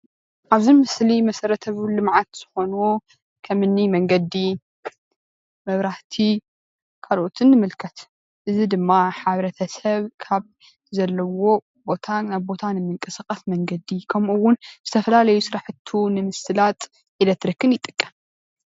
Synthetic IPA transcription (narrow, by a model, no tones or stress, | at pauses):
ʔaβzimɨslimɐsɐɾɐt̪ʰɐβulɨmʕat̪z̥ɨxo̞nu | kʰɐmɨnːimɐŋɡɐd̪i | mɐβɾaht̪ʰi | kʰalʔot̪ʰɨnːɨmɨlkʰɐt̪ | ʔɨzid̪ɨmːaħaβɾɐt̪ʰɐsɐβkʰaβ | zɐlːɐwo̞ | bo̞t̪ʰaːaβbo̞t̪ʰanɨmɨŋkʼɨsaxʼɐsmɐŋɡɐd̪ikʰɐmuwːʊnzɨt̪ʰɐfɐlalɐjusɨɾaħɨt̪ʰunɨmɨsɨlat̪ʼ | ʕid̪ɐt̪ɾɨkʰːɨnjɪt̪ʼːɨkʼːɐm